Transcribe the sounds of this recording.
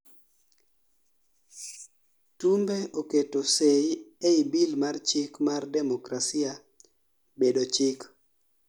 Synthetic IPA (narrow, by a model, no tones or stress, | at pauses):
tumbeʔoketosejeibilmart͡ʃɪkmardɛmokɾasia | bedot͡ʃɪk